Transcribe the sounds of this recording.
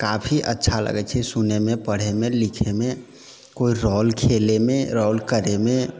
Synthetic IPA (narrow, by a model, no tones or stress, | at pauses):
kapʰiʔə̰tːʃʰalə̰ɡɛt͡ʃʰɛsunemepəɽ̤emelikʰeme | koiɾɔlkʰelemeɾɔlkəɾeme